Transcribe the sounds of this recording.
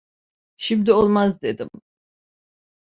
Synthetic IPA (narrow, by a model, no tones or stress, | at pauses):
ʃimd̪iolˠmazd̪ed̪im